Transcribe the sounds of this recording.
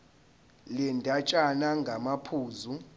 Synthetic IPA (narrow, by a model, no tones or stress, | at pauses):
lɛndʱat͡ʃʼanaŋɡʱamapʰuːzu